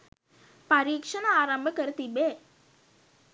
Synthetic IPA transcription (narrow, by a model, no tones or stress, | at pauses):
pɐɾiːkʂɐnɐaːɾɐmbʱɐkɐɾt̪ibeː